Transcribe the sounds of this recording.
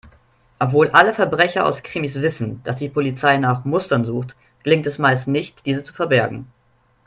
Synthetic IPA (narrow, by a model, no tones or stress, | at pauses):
ʔɔpv̥oːlʔaləfɛɐbʁɛçɐa̰ʊskʁ̥ɪmisv̥ɪsn̩d̥asd̥iːpʰolit͡saɪnaːχmʊstɐnzuːxt | ɡ̥əlɪŋtɛsmaɪstnɪçt̚d̥iːzət͡su̥fɛɐbɛɐɡŋ̩